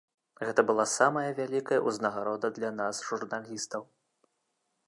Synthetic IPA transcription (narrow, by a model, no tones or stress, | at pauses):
ɣɛt̪ɐbɨlˠasamɐjɐvʲalʲikɐjɐʔuznɐɣaɾɔd̪ɐd̪lʲanasʐurnalʲist̪ɐw